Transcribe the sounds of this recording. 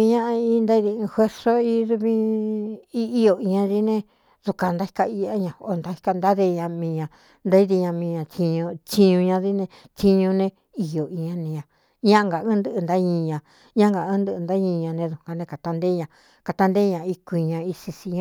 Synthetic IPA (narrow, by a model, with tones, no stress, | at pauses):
i˧ɲã˦ʔi˦nd̪a˦i˦ði˧ɨ̃˧hwe˦ɾso˦i˦˧ðu˧˦βĩ˦ | i˧i˦jo˧˨i˧ɲã˧ði˦nẽ˧ | ðu˧ka˧nd̪a˦i̥˧ka˧i˧a˦ɲã˧o˧nd̪a˦hi̥˧ka˧nd̪a˦ðe˧ɲã˧mĩ˧ɲã˧ | nd̪a˦i˦ði˧ɲã˧mĩ˧ɲã˧t̪i˧ɲũ˧t͡ʃi˧ɲũ˧ɲã˧ði˦nẽ˧ | t̪i˧ɲũ˧nẽ˧ | i˧jo˨i˧ɲã˧nĩ˧ɲã˨ | ɲã˦˧ŋɡa˨ɨ̃˦nd̪ɨ˧ʔɨ˧nd̪a˦ɲĩ˧ɲã˧ | ɲã˦ŋɡa˨ɨ̃˦nd̪ɨ˧nd̪a˦ɲĩ˧ɲã˧nẽ˧ðu˨ka˧nẽ˧ka˨t̪a˧nd̪e˦ɲã˧ | ka˨t̪a˧nd̪e˦ɲã˧˨i˧kʷi˧ɲã˧i˧si˧si˧ɲã˦